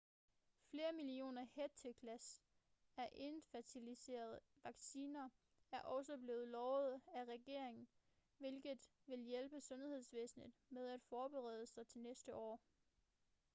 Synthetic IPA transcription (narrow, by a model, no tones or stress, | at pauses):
fle̝ːɐmilio̝̰ːnɐheɐt͡sʰekʰlæs | æɐʔe̝nfæɐt͡sʰilise̝̰ːɐðˠ | ʋɑ̈ɡ̥siːnɐ | æɐʔɒ̽s̬əb̥le̝ːð̩ˠlɒʊð̞̩ˠæʁɛɡ̥e̝ɐ̰e̝ŋn̩ | ʋe̝lɡ̥ð̩ˠ | ʋe̝ljelb̥əsɔ̽nhe̝ð̞̰ˠsʋḛːsn̩ð̩ˠmeð̞ˠæd̥fɒːb̥eʁɛ̰ːð̞ˠəsɑ̈ɪt͡sʰe̝lnesd̥əʔɒ̰ː